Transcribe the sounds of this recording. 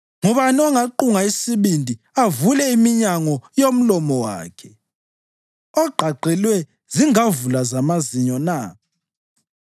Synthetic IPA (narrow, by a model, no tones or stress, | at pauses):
ŋɔβaniɔŋaǃuŋaisiβindʱi | avulɛimiɲaŋɔjom̩lɔmɔwa̰ːkʰɛ | ɔɡ͡ǃʱaǃɛlwɛ | ziŋavulazamaziɲɔna